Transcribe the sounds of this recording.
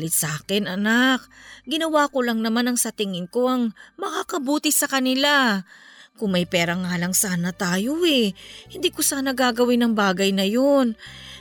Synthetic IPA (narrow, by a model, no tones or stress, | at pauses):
lɪt̪̚sɐʔaːkɛnɐnak̚ɡɪnɐwaːko̞lɐŋnɐmanɐŋsɐt̪ɪŋɪŋko̞ʔɐŋmɐkaːkɐbuːt̪ɪsɐkɐnɪla | kʊŋmɐjpɛːɾɐŋaːlɐŋsaːnɐt̪aːjo̞ʔɛhɪnd̪iːkosaːnɐɡaːɡɐwɪnɐŋbaːɡɐjnɐjon